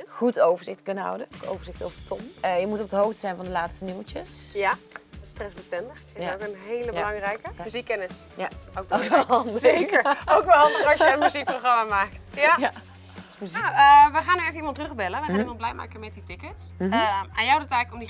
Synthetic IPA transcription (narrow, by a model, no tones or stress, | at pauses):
χutowvəɹzɪxtkɵnəɦʌ̰wdəko̰wvəɹzɪxtowvəətʰɔməjəmutɔpədəɦowftsɛjnvɑndəlaːtstəniwt͡ʃəsjastrɛsbəstɛndəxɪaokənɦejləbəlɑŋrɛjkəyzikːɛnɪsjaowk̚bokɛlzejkəɹowkʋɛlˠərɑsjəənmyzik̚proχrɑmamaːktjaja | smyzniəʋəχaːnyejfənimɑntrəχbɛləʋəaːnimɔ̃nblɛjma̰ːkəmɛt̚ditɪkət | anjawdətɛɣləkɔmdi